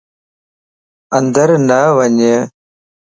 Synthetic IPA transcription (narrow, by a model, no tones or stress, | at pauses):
ɐnd̪əɾnəʋəɲə